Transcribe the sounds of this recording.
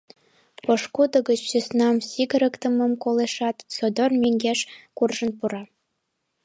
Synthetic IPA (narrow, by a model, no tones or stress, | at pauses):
pŏʃkud̪ɤ̆ɡə̆t͡ɕsysnɑmsʲiɡə̆ɾɤ̆kt̪ɤ̆mɤ̆mkoleʃɑt̪sod̪ŏrmʲeŋɡʲeʃkurʒɤ̆npuɾɑ